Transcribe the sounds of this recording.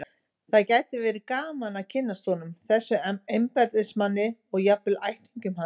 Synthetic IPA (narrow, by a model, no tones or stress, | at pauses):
θaðcaːjt̪ɪvɛːɾɪkaːmanacʰɪnːast̪ɔnʏmθɛsːʏɛejmpɛɾðɪsmanːɪɔɣjapɪlajht̪iɲcʏmha